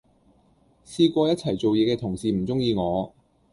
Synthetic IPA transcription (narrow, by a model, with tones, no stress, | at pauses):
siː˧kʷɔː˧jɐ˥t̚t͡sʰɐ˨˩jt͡so˨wjɛː˨˧kɛː˧t̪ʰʊ˨˩ŋsiː˨m̩˨˩t͡sʊ˥ŋjiː˧ŋɔː˨˧